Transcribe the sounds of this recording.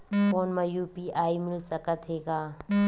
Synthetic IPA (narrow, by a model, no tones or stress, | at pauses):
koːnmɐjuːpiːʔaːimɪlsəkət̪ɦeːɡaː